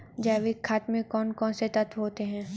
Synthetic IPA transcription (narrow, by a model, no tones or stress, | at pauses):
d͡ʒɛːʋɪkʰːaːt̪mɪ̃kɔːnkɔːnset̪ɐt̪ʰɦoːt̪eɦɛ̃ː